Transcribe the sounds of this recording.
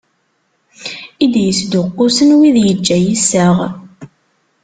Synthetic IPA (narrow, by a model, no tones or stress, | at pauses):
id̪jəsd̪ʊqːʊsənwiðjəd͡ʒːæjisəʁ